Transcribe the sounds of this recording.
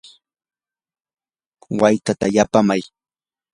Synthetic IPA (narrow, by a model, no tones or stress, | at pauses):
wajt̪at̪ajapamaj